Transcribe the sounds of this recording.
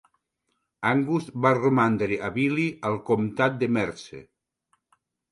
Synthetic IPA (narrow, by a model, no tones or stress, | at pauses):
aŋɡusβaromand̪ɾeʔaβilialˠkomt̪at̪̚d̪emɛɾsḛ